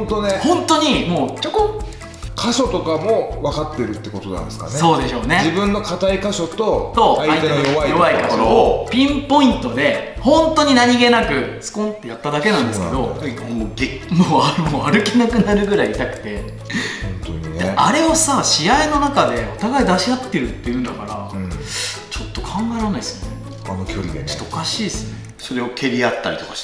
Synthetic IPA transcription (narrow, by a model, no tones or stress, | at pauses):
nt̪onehõ̞nt̪o̞ɲ̟imo̞ːt͡ɕoko | kʰaɕo̞t̪o̞kamo̞βakat̪ːeɾɯ̟t̪ːeko̞t̪o̞nã̰nd̪eska̰nsso̞ːd̪e̞ɕo̞ːne̞d͡ʑibɯ̟̃nːo̞kʰat̪aikaɕo̞t̪o̞t̪o̞aait̪eojjoβaikakɾopʲĩmpo̞ĩnt̪o̞d̪e̞ | hõ̞nt̪o̞ɲ̟inaɲ̟iɡe̞nakɯ̟t͡sɨ̥kõ̞nt̪ːe̞jat̪ːad̪ake̞nãnd̪e̞sɨke̞d̪o̞ | o | moːamoaɾɯ̟kʲinakɯ̟naɾɯ̟ɡɯ̟ɾaiːt̪akɯ̟̥t̪ẽ̞ | d̪eaɾe̞o̞saɕiaeno̞nakad̪e̞o̞t̪aɡaid̪aɕijat̪ːe̞ɾɯ̟t̪ːe̞jɯ̟̃nd̪akaɾa | t͡ɕo̞t̪ːo̞kʰãŋɡaeɾanaisɨjone | t͡ɕo̥t̪ːookaɕiːsɨ̥neso̞ɾe̞o̞kʰe̞ɾʲiat̪ːaɾḭt̪o̞kḁɕ